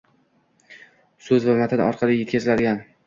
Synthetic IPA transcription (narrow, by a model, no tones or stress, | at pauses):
sɵzvamat̪ʰanɒ̰ɾqʰɑlˠɪjet̪kʲʰazɪlad̪ɪɡʲan